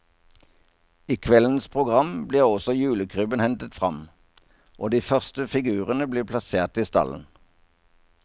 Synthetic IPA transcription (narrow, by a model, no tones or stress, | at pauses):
iːkʰʋɛlən̩spʰʁʊɡʁɑmbliːʁɔsɔjʉːləkʰʁʉːbənhɛnt̪ət̪fʁɑ̰m | ʔoːd̪iːfœʁst̪əfɪɡʉːʁənəbliːpʰlɑseːʁt̪iːst̪ɑ̰lə̰n̩